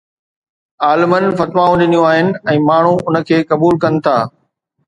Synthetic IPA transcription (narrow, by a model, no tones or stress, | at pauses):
aːlɪmənɪ̆fɐt̪ʋãːũɗɪnijũaːɦɪnɪ̆ɛ̃ːmaːɳ̤ũʊnə̆kʰeːkɐbuːlkɐnɪ̆t̪ʰaː